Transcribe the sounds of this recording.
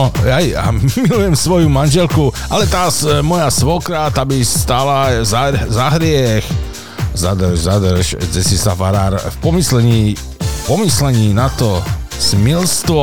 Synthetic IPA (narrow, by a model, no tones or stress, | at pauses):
jaja̰milujɛmsʋɔjumanʒɛlkuʔalɛt̪aːsmɔjasʋɔkɾaːt̪abist̪aːlazazaɦɾɪɛx | za̰d̪rʒzad̪rʃd͡zɛsisafaɾaːɾfpɔmislɛɲiː | fpɔmislɛɲiːnat̪ɔsmilst̪ʋɔ